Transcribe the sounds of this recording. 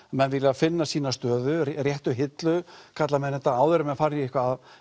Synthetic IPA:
mɛnvɪlɪafɪnːasiːnast̪œːðʏrjɛht̪ʏɦɪt̪lʏkʰat̪lamɛðnɛht̪ːaaːwðʏɾɪmɛfaːɾɪɪhkvaːv

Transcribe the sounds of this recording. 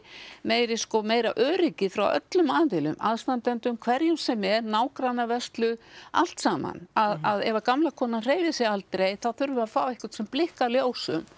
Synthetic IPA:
meːjɾɪskɔmeːjɾaʔœːɾɪcɪfɾawʔœ̰t̪lʏmaːðvɪlʏ̰ma̰ðst̪ant̪ɛnt̪ʏmkʰvɛɾjʏmsɛmɛɾnaːwkɾanːavɛst̪lʏa̰l̥t̪saːma̰naðaðɛvakamlakʰɔːnanr̥eːjvɪsjɪalt̪ɾejθaðθʏɾvʏafaːwɪhkʏ̥t̪sɛmplɪhkaljoːwsʏ̰m

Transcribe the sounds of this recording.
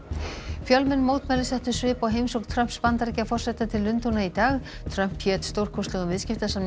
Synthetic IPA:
fjœlmɪnːmoːwt̪mɛlɪsɛht̪ʏ̥svɪːpaɣɦejmsowknt̪ʰɾœm̥pspant̪aɾcafɔr̥sɛt̪at̪ʰɪlːʏnt̪unait̪aːɣ | t̪ʰɾœm̥pçjɛːt̪st̪owr̥kʰɔst̪lɛɣʏmvɪðscɪft̪asam

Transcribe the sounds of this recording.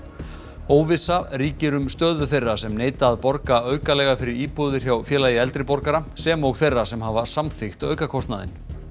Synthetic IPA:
oːwvɪsaɾiːcɪɾʏmst̪œːðʏθejrːasɛmneːjt̪aːðpɔɾkaœːɥkalɛɣafɪɾɪɾiːpoðɪɾ̥çawfjɛːlaːjɪɛlt̪ɾɪpɔɾkaɾasɛːmɔɣθejrːasɛmhaːvasamθɪxt̪œ̰ɥkakʰɔst̪naðɪ̰n

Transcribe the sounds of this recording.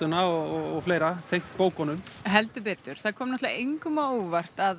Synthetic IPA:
ʏnaɔɔɔɣfleːjɾat̪ʰejŋkt̪poːwkɔnʏmɦɛlt̪ʏp̬ɛːt̪ʏɾ̥θaðkʰɔːmnɛht̪laʔejŋkʏmaowvar̥t̪að

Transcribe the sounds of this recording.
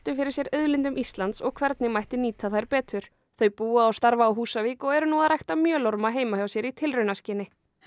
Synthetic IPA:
t̪ʏmfɪɾɪ̥ɾsjɛɾœðlɪnt̪ʏmʔist̪lant̪sɔɣkʰvɛɾt̪nɪmajht̪ɪniːt̪ʰaθajɾpɛːt̪ʏɾ̥ | θœɥjpuːaawst̪aɾvaːwɦuːsaviːkɔɣɛɾʏnuːaðrajht̪amjœːloɾmaɦeːjmahjawsjɛɾit̪ʰɪlrʏɥnascɪːnɪ

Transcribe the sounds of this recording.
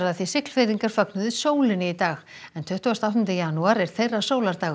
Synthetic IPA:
ɾaðθisɪhkl̥fejðiŋkaɾ̥fœk̚nʏðɪsoːwlɪnɪit̪aːɣ | ɛnt̪ʰʏht̪uast̪awht̪ʏnt̪ɪjanuaɾɛɾ̥θejrːasoːwlaɾt̪aːɣʏ

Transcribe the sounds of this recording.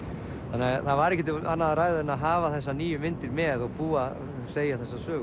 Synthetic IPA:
θθanːɪaθavaɾɛcːɛt̪̬ɪanːaðaɾaːjðʏɾɪnaðɦaːvaθɛsːaniːjʏmɪnt̪ɪɾmɛðɔɣpuːa | seːjaθɛsːasœː

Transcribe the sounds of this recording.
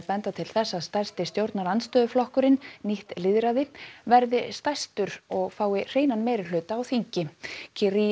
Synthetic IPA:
pɛnt̪at̪ʰɪlθɛsːaðst̪ajst̪ɪst̪jowɾt̪naɾant̪st̪œːðʏflɔhkʏɾɪnniht̪lɪðɾaðɪvɛɾðɪst̪ajst̪ʏɾɔɣfaːwɪr̥eːjnanmeːjɾɪlʏːt̪aːwθiɲcɪcʰɪɾi

